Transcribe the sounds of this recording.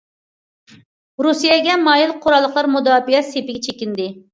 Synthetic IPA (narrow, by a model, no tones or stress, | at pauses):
ɾusijɛɡʲɛmɑjilˠqʰoɾɑlˠːəqlˠɑɾmud̪ɑːfijɛsepɪɡʲɛt͡ʃʰekʲind̪ɪ